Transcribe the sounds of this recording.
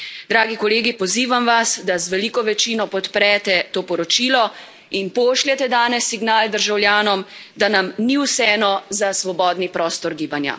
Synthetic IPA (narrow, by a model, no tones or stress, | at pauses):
d̪ɾaːɡikɔleːɡipɔziːʋamʋasd̪azʋɛliːkɔʋɛt͡ʃiːnɔpɔt̪pɾɛːt̪ɛt̪oːpɔɾɔt͡ʃiːlɔ | inpoːʃlʲɛt̪ɛd̪aːnɛsːiɡnaːld̪əɾʒawljaːnɔmd̪anamniwsɛːnɔzasʋɔbɔːd̪nipɾɔːst̪ɔɾɡiːbanja̰